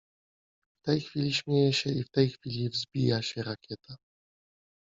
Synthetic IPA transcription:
ft̪ɛjxfʲilʲiɕmʲjɛjɛɕɛift̪ɛjxfʲilʲivzbʲijaɕɛɾakʲʰɛt̪a

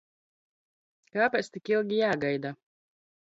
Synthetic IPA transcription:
kaːpʲɛːt̪st̪ikilˠɡʲijaːɡajd̪a

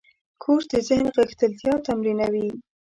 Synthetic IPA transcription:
kʰoɾd̪əzɪhnɣəxt̪əlt̪jɑt̪amɾinawi

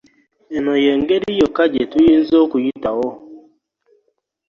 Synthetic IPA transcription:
ɛnɔjɛŋɡeɾijɔkad͡ʒetuin̩zokujitawo

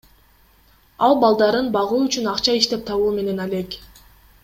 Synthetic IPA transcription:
ɑlˠbɑlˠd̪ɑɾɯnbɑʁuːyt͡ʃynɑqt͡ʃɑiʃt̪e̞p̚t̪ʰɑβuːme̞ne̞nɑlʲe̞k

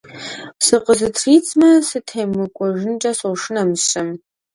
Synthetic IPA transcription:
sɨqʼəzɨtʰriːt͡sʼmɐsɨtʰeːmɨkʷʼɔʒɪnt͡ʃʼɐsowʂɨnɐmɕɐm

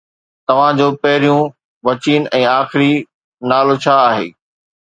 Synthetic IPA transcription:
t̪ɐʋ̤ãd͡ʑoːpɐɦɪɾijũ | ʋɐt͡ɕiːn̆ʔɛ̃ːaːxɪɾi | naːlot͡ɕʰaaːɦḛː

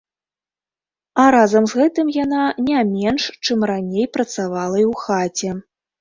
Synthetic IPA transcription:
aɾazɐmzɣɛt̪ɨmjananʲɛmʲɛnʂt͡ʂɨmranʲejpɾɐt̪savalˠɐiwxat͡sʲɛ

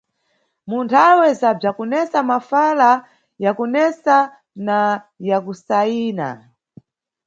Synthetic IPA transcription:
muntʰawɛzab͡ʐakɔnɛsamafala | jakunɛsa | na | jakusaiːna̰

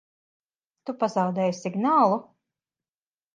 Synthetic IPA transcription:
t̪upazɑwd̪ɛːjsiɡnaːlˠu

